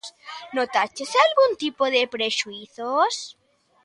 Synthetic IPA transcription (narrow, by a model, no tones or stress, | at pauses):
snot̪at͡ʃesalɣunt̪ipoðepɾeʃuiθos